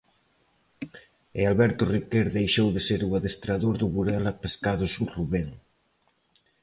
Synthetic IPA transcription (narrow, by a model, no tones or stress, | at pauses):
ealβɛɾt̪ʊrikeɾðejʃowðeseɾuaðest̪ɾaðoɾðuβuɾɛlapeskaðʊsuŋruβeŋ